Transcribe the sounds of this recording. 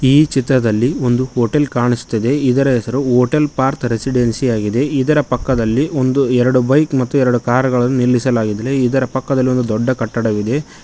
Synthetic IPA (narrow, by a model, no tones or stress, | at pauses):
iːt͡ʃit̪ɾɐd̪ɐlːio̞nd̪uhoːʈelkaːɳisu̥t̪ːɐd̪e̞id̪ɐɾɐɦɛsɐɾuɦoːʈɐlpaːɾt̪ɾesiɖensijaːɡid̪e̞id̪ɐɾɐpɐkːɐd̪ɐlːio̞nd̪uɛɾɐɽubɐjkmɐt̪ːuɛɾɐɽukaːɾɡɐɭɐnːunilːisɐlaːɡid̪ɾeid̪ɐɾɐpɐkːɐd̪ɐlːio̞nd̪ud̪ɔɖːɐkɐʈːɐɽɐʋid̪e̞